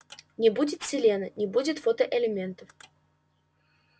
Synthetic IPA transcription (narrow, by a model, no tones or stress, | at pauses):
nʲɪbudʲɪt̪sʲɪlʲenənʲɪbudʲɪt̪fot̪əʔɪlʲɪmʲent̪əf